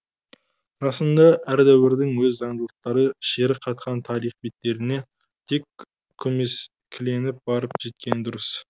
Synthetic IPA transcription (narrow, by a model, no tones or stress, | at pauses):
ɾɑsəmd̪ɑʔæɾd̪æwɪɾd̪ɪŋwɵzːɑɴd̪əlˠəq̚t̪ɑɾəʃe̞ɾɪqʰɑt̪̚qʰɑnt̪ʰɑɾijχbet̪ːe̞ɾɪne̞ | t̪ʰe̞kʲʰː | ɵmes | kʲʰɪle̞nɪp̚bɑɾəpʒe̞t̪̚kʲe̞nd̪ʊɾəs